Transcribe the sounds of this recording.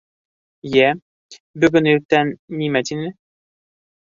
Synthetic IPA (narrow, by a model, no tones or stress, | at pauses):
jɛ | bɵɡɵ̆nɵk̚t̪ænːimæt̪inɘ